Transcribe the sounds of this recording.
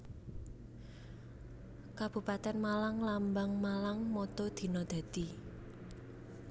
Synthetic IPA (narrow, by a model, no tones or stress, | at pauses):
kab̥ṳpat̪ɛnmalaŋlambaŋmalaŋmɔt̪ɔd̪̥i̤nɔd̪̥ä̤d̪̥i̤